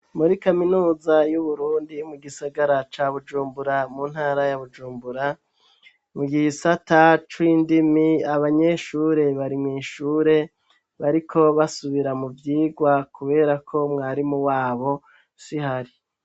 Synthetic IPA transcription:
muɾikaminuːzajuβuɾuːndimuɡisaɡaɾat͡ʃaːβud͡ʒuːmbuɾamun̥haːɾajaβud͡ʒuːmbuɾa | muɡihsatat͡ʃwiːndimiaβaɲe̞ʃuːɾe̞βaɾimŋiːʃuːɾe̞ | βaɾikʰo̞βasuβiɾamuvjiːɡwakuβe̞ːɾakʰo̞mŋaːɾimuwaːβo̞ | sihaɾi

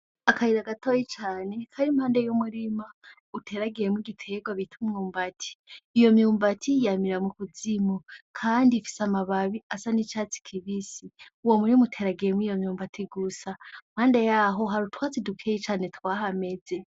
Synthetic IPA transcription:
akaiɾaɡatojit͡ʃaːne̞kʰaɾimhaːnde̞jumuɾima | utʰe̞ɾaɡiɾemwiɡitʰe̞ɡwaβitʰumjuːmbatʰi̥ːjo̞mjuːmbatʰijamiɾamukuzimokʰaːndifi̥samaβaβiasanit͡ʃaːt͡si̥kʰiβisiuwo̞muɾimautʰe̞ːɾaɡiɾemwijo̞mjuːmbatʰiɡusam̥haːnde̞jaɦo̞ɦaɾutwaːt͡sidukʰejit͡ʃaːne̞twaːɦame̞ze̞

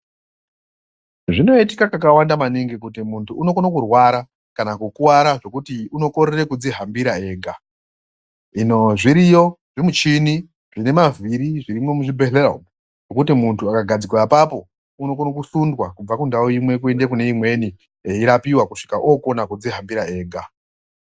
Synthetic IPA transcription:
ʐino̞itikakakawandamaniŋɡekutimuntʰuːno̞konokurwaɾa | kanakukuwaɾaʐo̞kutiuno̞ko̞ɾere̞kud͡ziɦambiɾae̞ːɡʱa | ino̞ʐiɾijo̞ | ʐimut͡ʃini | ʐine̞maviɾiʐiɾimo̞muʐibeɬera̰m | ʐo̞kutimuntʰuakaɡʱad͡zikrapapo̞ | uno̞konok̬usundwakub͡vakundawoimwe̞k̬ue̞nde̞kune̞imwe̞ni | eiɾapiwakuʂi̥kaʔoko̞nakud͡ziɦambiɾae̞ːɡʱa

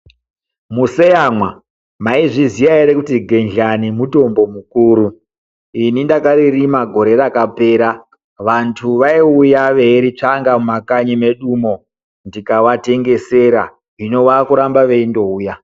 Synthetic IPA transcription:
musejamwa | maiʐizijaiɾekutiɡʱe̞nɮanimuto̞mbo̞mukuːɾu | inindakaririmaɡʱo̞ɾe̞ɾakape̞ːɾa | ʋantʰuʋaiujaʋe̞ɾit͡ʂaŋɡamumakaɲime̞ɗumo̞ | ndikaʋate̞ŋɡe̞se̞ɾa̰ | ʐino̞ʋakuɾambaʋe̞indo̞uːja

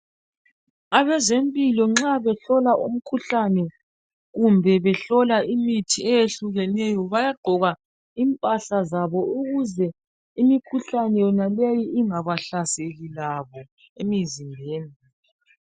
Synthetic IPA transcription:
aβɛzempʼilɔŋ͡ǁaβɛɬɔlaʔṵm̩kʰuɬanɛ | ɣumbʱɛβɛɬɔlaʔimitʰiɛjeɬuɣɛnɛjɔβajaɡ͡ǃʱɔɣa | impʼaɬazaβɔuɣuzɛ | imikʰuɬanɛjɔnalejiʔiŋaβaɬaseɣilaβɔ | emizimbʱeːni

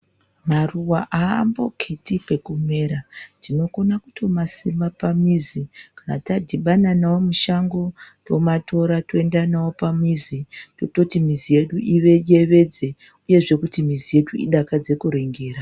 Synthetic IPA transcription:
maruwaʔaːmbo̞kʰetipe̞kume̞ɾandino̞ko̞nakutʰo̞masimapamizikanatadʱiɓananawomuʃaŋɡo̞to̞matʰo̞ɾatoe̞ndanawo̞pamizitoto̞timizije̞ɗuʔiʋe̞ʄe̞ʋe̞d͡ze̞ | uje̞ʐe̞kutimizije̞ɗuḭɗakad͡ze̞kuɾeŋɡeːɾa

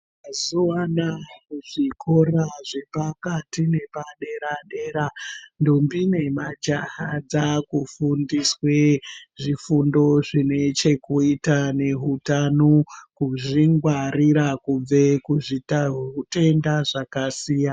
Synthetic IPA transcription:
m | azuwanauʐikʰo̞raʐe̞pakatine̞paɗe̞ɾaɗe̞ːɾando̞mbine̞mad͡ʒahad͡zakufundisweʐifundo̞ʐine̞t͡ʃe̞kuitane̞ɦutanokuʐiŋɡwariɾakub͡ve̞kuʐitarute̞ndaʐakasiːja

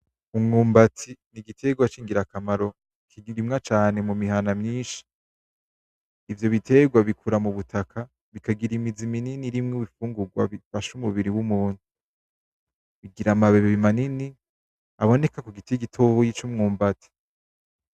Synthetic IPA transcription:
umŋuːmbatʰiniɡitʰe̞ɡwat͡ʃiːŋɡiɾakamaɾo̞ | kʰiɾimŋat͡ʃaːne̞mumiɦanamɲiːnʃi̥ | vjo̞βitʰe̞ɡwaβikʰuɾamuβutʰakʰa | βikaɡiɾimizimininiɾimŋuβifuːŋɡuɡwa̰βifaʃumuβiɾiwumuːn̥u | βiɡiɾamaβeβeβimanini | aβo̞ne̞kakuɡitiɡitʰohojit͡ʃumŋuːmbatʰi̥

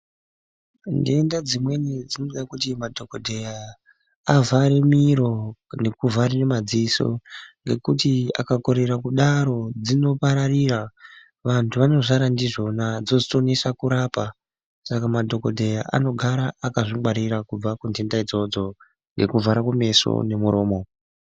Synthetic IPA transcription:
ndiendad͡zimwe̞nid͡zinoɗakutimadʱo̞kodʱejaː | vaɾemiɾo̞ne̞kuvʱaɾenemad͡ziso̞̰ŋɡe̞kutia̰kako̞ɾe̞ɾakuɗaɾo̞d͡zino̞paɾaɾira | ʋantʰuʋano̞ʐaɾandiʐo̞nad͡zod͡zito̞nesakuɾaːpa | sakamadʱo̞ko̞dʱe̞jaʔa̰no̞ɡʱaɾaːkaʐimaɾiɾakub͡vakundendaid͡zo̞d͡zo̞ | ŋɡe̞̰kuvaɾakume̞so̰ne̞muɾo̞ːmo̞

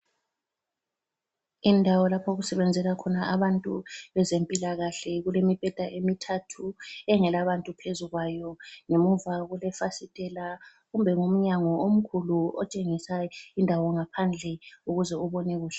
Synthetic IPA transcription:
indʱawɔlapʰɔɣusɛβɛnd͡zʱɛlakʰɔnaaβantʼuβɛzempʼilaɣaɬɛɣulemib̥ʱɛd̥ʱaʔemitʰatʰuɛŋɛlaβantʼupʰezuɣwajɔŋemuvaɣulɛfasitʼɛla | ɣumbʱɛŋom̩ɲaŋɔom̩kʰuluɔt͡ʃʼeŋisaindʱawɔŋapʰand͡ɮʱɛuɣuzɛuβɔnɛɣuːɬɛ

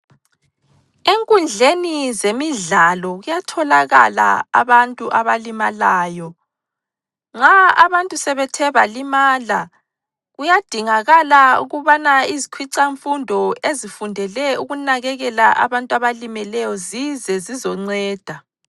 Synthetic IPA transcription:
eŋkʼund͡ɮʱenizemiɮalɔɣujatʰɔlaɣa̰la̰ːβantʼuʔaβalimalaːjɔ | ŋ͡ǀaaβantʼusɛβɛtʰɛβalimaːla | ɣujad̥ʱiŋaɣalaṵɣuβanaizikʰwiǀaɱfundʱɔezifundʱɛlɛuɣunaɣɛɣɛlaʔa̰βantʼuaβalimɛlɛjɔzizɛzizɔŋ͡ǀɛːd̥ʱa

